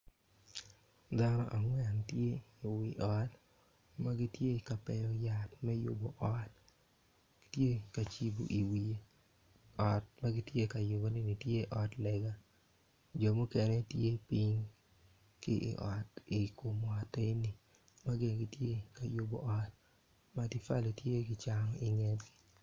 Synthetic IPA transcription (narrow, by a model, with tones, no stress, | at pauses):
da˦nɔ̰˦ʔa˨ŋwɛ˨ntje˦i˨wɪ˨ʔɔ˨t | ma˦ɡɪ˦tje˦˨ka˨pɛ˨jɔ˨ja˨tmɛ˦jʊ̰˦bo˨ʔɔ˦t | tje˦ka˨t͡ʃi˦bo̰˨ʔi˨wi˨e˦ | ɔ˨t̚ma˦ɡɪ˦tje˦ka˨jʊ˨bo˦nɪ˦nɪ˨tje˦ʔɔ˨tlɛ˨ɡa˦ | d͡ʒɔ˨mu˦kɛnɛ˦tje˦pi˦ɲ | kɪ̰˦ʔɪ̰˨ʔɔ˨tɪ˨ko˨m˨ɔ˨te˦nɪ˨ | ma˦ɡɪ˨nɡi˦tje˦ka˨jʊ˨bo̰˨ʔɔ˦t̚ | ma˦dɪ˦fa˦le˨tje˦ɡɪ˦t͡ʃa˦ŋɔ˨ʔɪ˨ŋɛ˦tɡi̥˦˨